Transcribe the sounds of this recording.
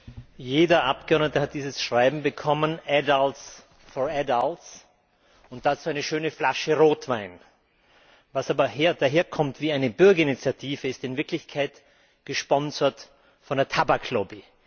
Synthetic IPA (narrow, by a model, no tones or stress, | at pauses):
jeːdɐʔap̚ɡ̥əɔʁdnətəhat̚d̥iːzəsʃʁ̥aɪbm̩bəkʰɔmənɛdals | fɔɐɛdals | ʊnt̚d̥aːt͡suːaɪnəʃøːnəflaʃəʁoːtv̥aɪn | vasʔaːbɐɦeːɐdaːɦeːɐkʰɔmtv̥iːaɪnəbʏɐɡɐɪnit͡sjatʰiːvəɪstɪnvɪɐklɪçkʰaɪt | ɡ̥əʃpɔnzɔt | fɔndeːɐtʰabakʰlɔbi